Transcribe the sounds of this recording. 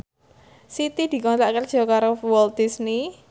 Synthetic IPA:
sit̪id̪̥i̤kɔnt̪aʔkər̥ʒ̥ɔ̤kaɾowɔld̪̚isni

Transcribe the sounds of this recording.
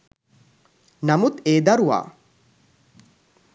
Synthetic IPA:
namut̪eːd̪ɐɾuʋa̰ː

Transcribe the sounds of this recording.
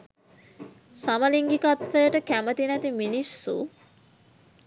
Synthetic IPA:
samɐliŋɡikɐt̪fəjəʈəkæmət̪inæt̪iminisːṵ

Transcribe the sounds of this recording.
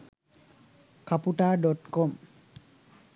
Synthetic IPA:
kapuʈaɖɔʈkɔm

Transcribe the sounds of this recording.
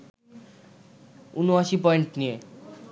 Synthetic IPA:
unuasip̬ɔeɳʈnie

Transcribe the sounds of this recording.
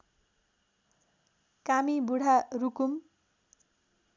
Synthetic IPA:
kamibuɽ̤ʱarukum

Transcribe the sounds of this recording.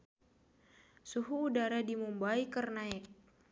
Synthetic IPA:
suɦuːdaɾadimumbaikərnaɪk̚

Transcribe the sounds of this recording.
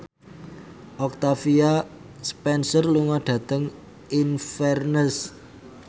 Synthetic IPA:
ʔɔk̚t̪afia | spɛnsərluŋɔɖ̥ä̤t̪əŋ | infɛrnəs

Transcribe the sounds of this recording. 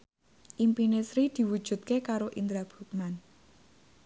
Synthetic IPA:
ʔimpinesɾid̪̥i̤wud̥ʒ̥ṳt̪̚kekaɾoʔind̪ɾab̥ṳk̚man

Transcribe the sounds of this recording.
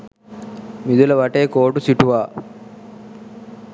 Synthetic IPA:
mid̪ulɐʋɐʈeːkoːʈusiʈuʋaː

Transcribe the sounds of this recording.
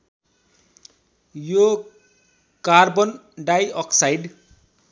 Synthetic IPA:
jo | karbʌn | ɖajʌksajɖ

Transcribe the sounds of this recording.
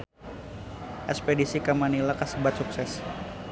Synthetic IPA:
ʔɛspedisikamanilakasəbat̪̚suksɛs

